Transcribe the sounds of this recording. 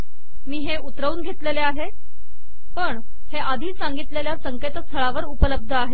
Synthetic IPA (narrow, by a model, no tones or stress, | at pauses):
miːɦeut̪ɾəuːnɡʱet̪leleaɦe | pəɳ | heʔad̪ʱiːsaŋɡit̪leljasəŋket̪st̪ʰəɭaʋəɾupələb̚d̪ʱəaɦe